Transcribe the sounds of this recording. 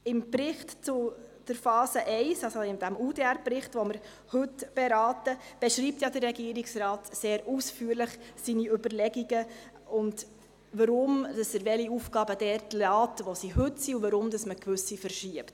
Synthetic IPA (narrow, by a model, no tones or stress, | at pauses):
ɪmbɾɪχtt͡sʊd̥əɾfɑːsəʔɛɪsɑsoɪmd̪æmudeæɾbrɪχtʋoməɾ | hɵtb̥eɾɑːtəb̥ɛʃɾiːp̚t̪jadərːɛɡiəɾiksɾɑːtseːɾusfyːəɾləχsiniʏbəɾlɛɡiɡə | ʊnd | ʋɑɾʊmd̥ɑsəɾʋɛliufɡ̥ɑːbədɛɾtlɑːtʋosihɵtsiuvɑɾʊmd̪ɑsməkʋɵsifəɾʃiəpt